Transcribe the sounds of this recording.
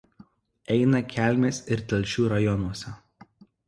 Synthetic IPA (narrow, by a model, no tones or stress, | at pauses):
ɛɪnɐkʲæˑlʲˑmʲeːsɪɾt̪ʲɛlʲʃʲuːɾɐjɔnuɔsʲɛ